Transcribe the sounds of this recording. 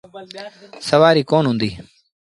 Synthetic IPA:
səʋaːɾiːkoːnɦʊ̃nd̪iː

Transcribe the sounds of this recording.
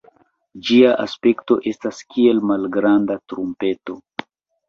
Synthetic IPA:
d͡ʒiaʔaspe̞kto̞ʔe̞staskʰie̞lmalɡɾandatɾumpe̞to̞

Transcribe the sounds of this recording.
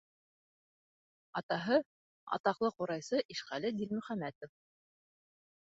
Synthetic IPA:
ɑt̪ɑɦɤ | ɑ̰t̪ɑqlˠɤquɾɑjsɤʔiʃχælɘɡ̪ilmɵ̆χæmæt̪of

